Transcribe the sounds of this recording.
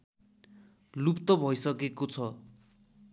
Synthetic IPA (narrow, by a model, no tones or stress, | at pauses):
lupt̪ʌbʱʌjsʌkekot͡sʰʌ